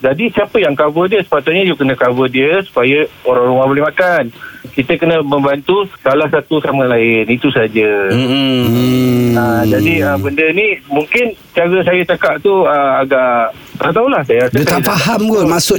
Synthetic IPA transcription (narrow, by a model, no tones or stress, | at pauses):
d͡ʒadisiapəjaŋkabədiəsə̥pat̪ʊt̪̚ɲad͡ʒiəkənə̃kabədiəsu̥pajəoɾaŋɾumãhbolɪmakankit̪əkənə̃mə̃mbant̪ussalahsat̪usamə̃laɪnit̪usad͡ʒə | əd͡ʒadiəbəndənĩmũŋkɪn | t͡ʃaɡəsajat͡ʃakaʔt̪uəaɡaʔ | t̪aat̪aulahsajaasdəafaɦamɡomasʊ